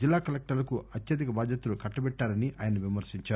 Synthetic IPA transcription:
ilːaːkɐlek̚ʈɐɾlɐkuɐt̪jɐd̪ikɐbaːd̪jɐt̪ulukɐʈːɐbɛʈːaːɾɐniʔaːjɐnɐʋimɐɾsiɲt͡ʃaː

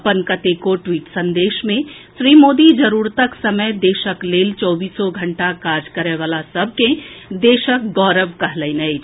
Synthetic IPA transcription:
pənkət̪ekoʈwiːʈsɐ̃nd̪eːʃmẽʃɾiːmoːd̪id͡ʒɐɾuːɾt̪aksɐməjd̪eːʃəkleːlt͡ʃɔːbiːsɔɡʱɐ̃ɳʈakaːd͡ʒkɐɾeʋaːlasɐb̚ʱkẽd̪eːʃək̚ɡɔːɾəʋkɐɦlənəi

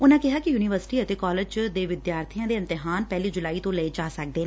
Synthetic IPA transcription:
ʊnãːkɪɦaːkɪjuːniʋəɾsɪ̥ʈiːət̪eːkɔːlɪd͡ʒd̪eːʋɪd̪jaːɾt̪ʰijãːd̪eːɪ̃nt̪ɪɦaːnpɛːliːd͡ʒʊlaːiːt̪õːləed͡ʒaːsək̚d̪eːnː

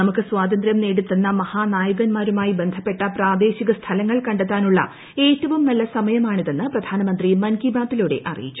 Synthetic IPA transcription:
nɐmukːɨswaːd̪ɐnd̪ɾjɐmneːɽut̪ːunːɐmɐhaːnaːjuɣɐnmaːɾumaːjibe̞nd̪ʱɐpːe̞ʈːɐpraːd̪e̞ːɕiɣɐst̪ʰɐlɐŋːɐɭkɐɳɖet̪ːaːnuɭːɐ̰ | e̞ːtːɐʋumːɐlːɐsɐmɐjɐmaːɳiðenːɨprɐd̪ʱaːnɐmɐnd̪rimɐnkibʱaːt̪ːiluːɽe̞ʔɐ̰rḭjit͡ɕːu̥

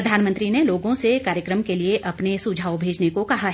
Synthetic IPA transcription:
ɐd̪ʱaːnmə̃nt̪ɾineloːɡõsekaːɾjəkɾəmkelieʔɐpnesud͡ʒʱaːobʱeːd͡ʒnekokɐɦaɦ

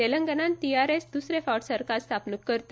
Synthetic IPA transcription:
eləŋɡənant̪iaɾesd̪usɾefaʈsəɾkast̪ʰapnəkːəɾt̪

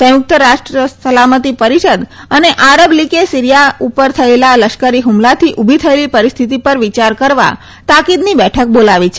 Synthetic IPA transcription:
səjʊk̚t̪əɾaʃʈɾəsəlamət̪ipəɾiʃəd̪əneʔaɾəblikesiɾijaupəɾt̪ʰəelaləʃkəɾiɦumlat̪ʰiʔubʱit̪ʰəelipəɾist̪ʰit̪ipəɾʋit͡ʃaɾkəɾʋa̰ | t̪akid̪nibɛʈʰək̚bolaʋit͡ʃʰe

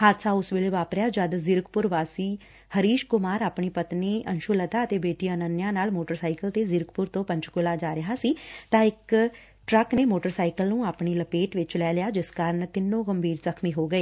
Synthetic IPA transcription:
haːt̪saːʊsʋeːleːʋaːpɾɪjaːd͡ʒəd̪zɪɾkpʊɾʋaːsiː | həɾiːʃkʊmaːɾaːpɳiːpət̪neːənʃʊːlət̪aːət̪eːbeːʈiːənənːɪjãːnaːlmoːʈəɾsaːikəlt̪eːzɪɾkpʊɾt̪õːpə̃ɲt͡ʃkʊlaːd͡ʒaːɾɪɦaːsiːt̪ãːɪk | ʈɾəkneːmoːʈəɾsaːikəlnũːaːpɳiːləpeːʈʋɪt͡ʃlɛːlɪjaːd͡ʒɪskaːɾəɳt̪ɪnːõːɡəmbʱiːɾzəkʰmiːɦoːɡəeː

